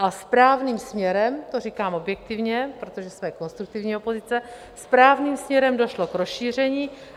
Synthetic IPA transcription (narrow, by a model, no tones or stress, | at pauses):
ʔaspɾaːvniːmsmɲɛɾɛmt̪or̝ikaːmo̞bjɛk̚t̪ɪvɲɛpɾo̞t̪o̞ʒɛsmɛko̞nst̪ɾuk̚t̪ɪvɲiːopo̞zɪt͡sɛ | spɾaːvniːmsmɲɛɾɛmdo̞ʃlo̞kɾosʃiːr̝ɛɲiː